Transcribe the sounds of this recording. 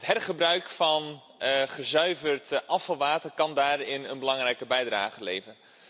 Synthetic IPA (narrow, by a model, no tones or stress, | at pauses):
tɦɛrχəbrœɥkfɑn | χəzœɥvərtʔɑfɑlˠʋaːtərkɑndaːrɪnənbəlɑŋrɛjkəbɛjdra̰ːχəlejvən